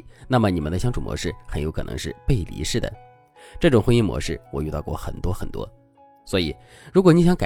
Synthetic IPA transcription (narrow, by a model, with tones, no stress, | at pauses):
na˥˩mə˩ni˨˩mə˦nd̪ə˧ɕjɑ˥ŋʈ͡ʂʰu˨˩mwɔ̰˧˥ʂɻ̩˥˩xə˧˥njo˧˥ʊkʰɤ˨˩nɤ̰˧˥ŋʂɻ̩˥˧pe˥˩ɪlḭ˧˥ʂɻ̩˥˩d̪ə̰˩ | ʈ͡ʂɤ˥˩ʈ͡ʂʊ˨˩ŋxwə˥ni˥˩nmwɔ̰˧˥ʂɻ̩˥˩wɔ˨˩y˥˧t̪ɑ˥˧ʊkwɔ̰˥˩xə̰˨˩nt̪wɔ˥xə˨˩nt̪wɔ̰˥ | swɔ˧˥i˨˩˦ | ɻu˧˥k̬wɔ˨˩ni˧˥ɕjɑ˧˥˦ŋka˨˩